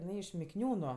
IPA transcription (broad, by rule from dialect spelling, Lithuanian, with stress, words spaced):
ɪˈnɐɪ ɪʃ mʲɪkˈnʲuːnʊ